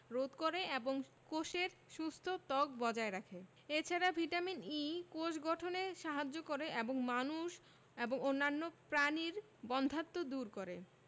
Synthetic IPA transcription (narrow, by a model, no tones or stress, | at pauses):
ɾod̪koɾeeboŋkoʃeɾʃust̪ʰot̪ɔkbɔd͡ʑaeɾakʰe | et͡ɕʰaɾabʱiʈaminikoʃɡɔʈʰoneʃaɦad͡ʑːokoɾeʔeboŋmanuʃ | eboŋonːanːopɾaniɾ | bɔnd̪ʱat̪ːod̪uɾkoɾe